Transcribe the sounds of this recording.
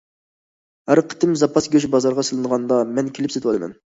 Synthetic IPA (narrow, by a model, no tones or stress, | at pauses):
hæɾqʰə̥t̪ʰɪmzɑpʰɑsɡʲøʃbɑzɑɾʁɑsɨlˠɨnəʁɑnd̪ɑmɛnkʲʰelɪpset̪wɑlˠɨmɛ̰n